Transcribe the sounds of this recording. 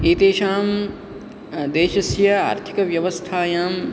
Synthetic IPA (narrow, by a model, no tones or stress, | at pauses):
iːt̪eːʃaːm | d̪eːʃɐsjɐa̰ːɾt̪ʰi̥kɐʋjɐʋɐst̪ʰaːjaːm